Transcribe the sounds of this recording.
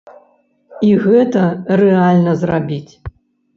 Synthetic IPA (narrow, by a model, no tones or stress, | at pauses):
iɣɛt̪ɐrɛalʲnɐzrabʲit͡sʲ